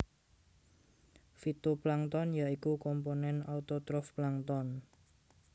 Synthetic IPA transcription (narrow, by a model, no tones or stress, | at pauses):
fit̪uplaŋt̪ɔnjaikukɔmponɛnaut̪ot̪ɾɔfplaŋt̪ɔn